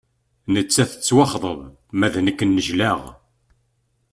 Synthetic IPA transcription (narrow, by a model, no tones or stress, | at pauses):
nət͡sːæθə̥t͡sːwɑχðˤəv | mæðnəkːənːəʒlæʁ